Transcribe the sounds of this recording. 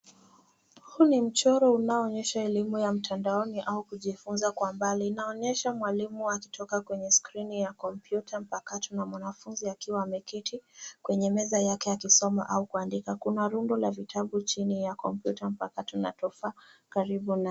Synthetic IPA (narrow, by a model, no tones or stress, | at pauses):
hunim̩t͡ʃɔɾɔunaɔːɲɛʃaɛlimujam̩tʰandaɔniʔaukuʄifunzakwambalinaɔɲɛʃamwalimuaki̥tʰɔkakwɛɲɛskɾinijakɔmpjutʰam̩pakatunamwanafunziakiwaːmɛkitʰikwɛɲɛmɛzajakɛakisɔma̰ʔaukuandikakunaɾundɔlavitʰaɓut͡ʃinijakɔmpjutam̩pakatuna̰tɔfakaɾiɓuna